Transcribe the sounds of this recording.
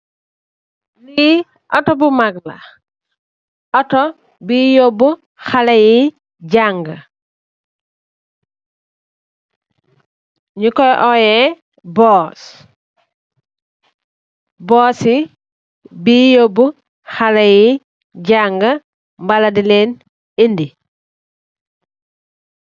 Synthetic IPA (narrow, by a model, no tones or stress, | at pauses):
li | ʔɔtobumaɡla̰ | ɔto | bijobu | xalɐji | ɟaŋɡɐ | ɲukɔjʔɔjɛ | bɔːs | bɔːsi | bijobu | xalɐji | ɟaŋɡɐ | mbaladileːn | indi